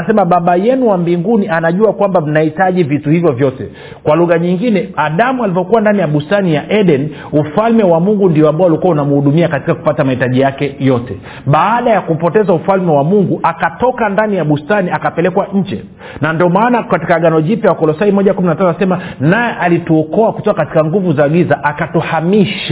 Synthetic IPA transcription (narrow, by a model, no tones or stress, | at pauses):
asɛmaɓaɓajɛnuwambiŋɡunianaʄuakwambam̩nahitaʄivituhivjɔvjɔtɛ | kwaluɣaɲiŋɡinɛaɗamualivɔkuwandanijaɓustanijaʔɛɗɛn | ufalmɛwamuŋɡundiɔambaaulikuwaunamuhuɗumiakati̥kaku̥patamahitaʄijakɛjɔtɛ | ɓaːɗajakupɔtɛzaufalmɛwamuŋɡuʔakatɔkandanijaɓustaniakapɛlɛkwaɲ̩d͡ʒɛ̰ | nandiɔmaːnakati̥kaɠanɔʄipjawakɔlɔsaimɔʄakuminatanɔasɛmanajɛʔalituɔkɔakutɔkakati̥kaŋɡuvuzaːɠizaʔakatuhamiʃa